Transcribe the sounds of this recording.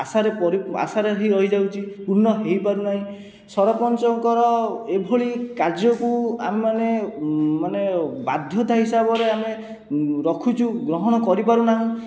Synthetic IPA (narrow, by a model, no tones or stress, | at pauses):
asaɾepɔɾia̰saɾeɦiɾɔɦid͡ʒawt͡ʃʰipuɾnɔɦejpaɾunaɦĩ | sɔɾɔpɔnt͡ʃɔŋkɔɾɔebʱoɭikaɾd͡ʒjɔkuamemanemanebad̪ʱjɔt̪aɦisabɔɾeame | ɾɔkʰut͡ʃʰuɡɾɔɦɔñɔkɔɾipaɾunaɦɔ̃